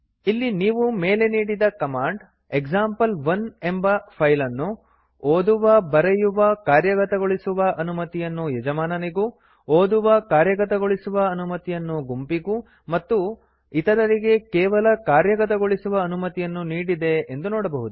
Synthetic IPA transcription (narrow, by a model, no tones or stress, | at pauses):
ilːiniːʋume̞ːle̞niːɽid̪ɐkɐmaːɳɖ | eɡd͡ʒaːmpɐlʋɐne̞mbɐpʰɐjlɐnːu | oːd̪uʋɐbɐɾejuʋɐkaːɾjɐɡɐt̪ɐɡoɭisuʋɐʔɐnumɐt̪ijɐnːujɛd͡ʒɐmaːnɐniɡu | oːd̪uʋɐkaːɾjɐɡɐt̪ɐɡoɭisuʋɐːnumɐt̪ijɐnːuɡumpiɡu | mɐt̪ːu | it̪ɐɾɐɾiɡe̞kɛːʋɐlɐkaːɾjɐɡɐt̪ɐɡoɭisuʋɐːnumɐt̪ijɐnːuniːɽid̪e̞end̪unoːɽɐbɐɦud̪u